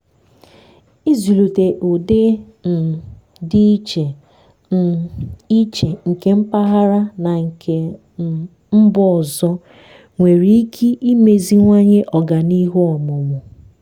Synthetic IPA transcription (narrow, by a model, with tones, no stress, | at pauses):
i˦zu˨lu˨te˨ʔo˨de˦ | n̩˨ | di˦t͡ʃe˨ | i˦t͡ʃe˨ŋ̩˨ke˨˦m̩˦pa˦ɦa˦ɾa˦na˨ŋ̩˨ke˨ | m̩˦bɔ˦˨zɔ˦ | ŋʷe˨ɾi˨˦i˦kʰi˦ʔi˦me˨zi˦ŋʷa˦ɲe˦ʔɔ˨ɡa˨ni˦ɦu˦ɔ˨mʊ˨mʊ˨